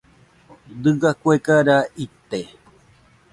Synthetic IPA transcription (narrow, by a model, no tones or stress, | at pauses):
d̪ɨɡakʷekaɾait̪e